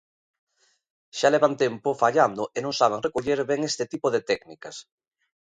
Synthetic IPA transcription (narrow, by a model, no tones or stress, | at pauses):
ʃaleβant̪ɛmpofaʎand̪ʊʔenõŋsaβ̞eŋrekoʎeɾβeŋest̪ɪt̪ipoðet̪ɛknikɐs